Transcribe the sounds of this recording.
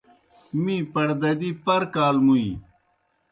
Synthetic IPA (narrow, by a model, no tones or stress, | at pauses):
mĩːpɐɽd̪ɐd̪iːpɐɾkaːlmuḭ